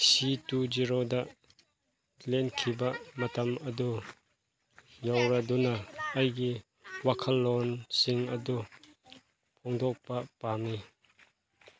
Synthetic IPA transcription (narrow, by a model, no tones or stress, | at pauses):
situd͡ʒiɾodɐʔ | lɛnkʰibɐʔmɐtɐmɐdu | jawɾɐdunɐɐjɡi | wɐkʰɐlːɔnsiŋɐdu | pʰɔŋd̪ɔk̚pɐpami